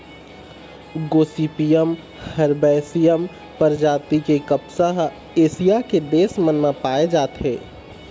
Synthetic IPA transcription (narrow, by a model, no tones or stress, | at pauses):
ɡoːsiːpijəm | hɐɾbɛːsijəm | pəɾd͡ʒaːt̪ikekəpsaɦ | eːsijaked̪eːsmənmãpaːed͡ʒaːt̪ɦɛː